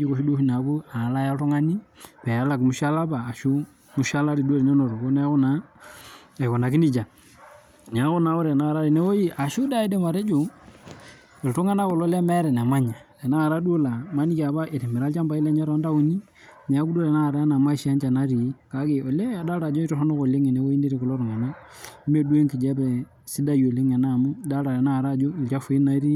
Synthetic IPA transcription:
d͡ʒi˦ko˨ʃu˦du˦fi˦na˨ku˦a˨la˦ja˦tu˦ŋa˦ni˦pɛ˨a˨˦la˨kmu˨˦ʃa˦la˦baː˨ʃu˦ | mu˨˦ʃa˦la˦ɾi˨du˦o˦le˨ɲo˦no˨ɾo˨ko˦nɛ˦kʊ˦na˨˦ | e˨ko˨na˨ki˦ni˦t͡ʃa˨ | n˨a˨˦ɣʊ˦na˨˦o˦ɾɛ˨na˦˨ɾa˦ɾi˨ne˦wo˦ji˦ʔa˨ʃu˦da˦e˦de˦ma˨ɾe˦d͡ʒo˨ | e˨ltʊ˦ŋa˦na˦ko˨lo˦le˦mɛ˦ɾɛ˨na˨ma˦ɲa˨de˨na˦˨ɾa˦do˦la˨ma˦ni˦ka˨ba˦ʔe˨te˨mi˨ɾa˦lt͡ʃa˦mba˦i˦la˦ɲa˦ɾo˦nda˦u˨˦ni˦ | n˨a˨˦ku˦do˦ɾe˨na˦˨ɾa˦a˦na˨ma˦ʃi˨a˦nt͡ʃa˨na˦ɾi˨je˦ka˨˦ke˨o˨le˦a˨da˦ɾa˨d͡ʒo˦i˦ɾɔ˦hɔ˦no˦ko˨le˦ŋe˨ne˨˦wo˦ji˦ndi˦ɾi˨ko˨lo˦ɾŋa˨no˦ | me˦du˦e˦ŋki˨d͡ʒe˦bɛ˨ | si˦da˦jo˨le˦ŋe˨na˦˨mu˦da˦ɾa˨ɾe˨na˦˨ɾa˦˨d͡ʒo˦i˨lt͡ʃa˦fu˦i˦na˦ɾi˦

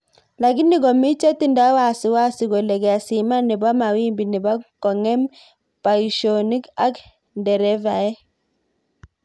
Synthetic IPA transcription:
la˨ɡi˦ni˦ɡɔ˨mi˦t͡ʃe˦ti˦nda˦wa˨si˨wa˦si˨ɡɔ˨lɛ˨ɡɛ˨a˨si˨ma˦ni˨ba˦ma˨wi˦mbi˨ni˨ba˦kɔ˨ŋɛ˦m | pa˨i˨ʃo˨ni˦ka˦k | ndɛ˨ɾɛ˦va˨ɛ˦

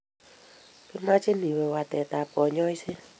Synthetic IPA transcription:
kɪ˦ma˦t͡ʃɪ˦ni˨we˨wa˨tɛ˨ta˨pɔ˨ɲɔ˦jse˦

